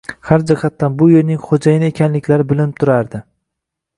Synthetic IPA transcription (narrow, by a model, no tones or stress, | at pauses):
haɾd͡ʒɪhat̪ːanbʊjeɾnɪŋχod͡ʒajɪnɪekʲʰanlɪkʲlaɾɪbɪlɪnɪp̚t̪ʰʊɾaɾd̪ɪ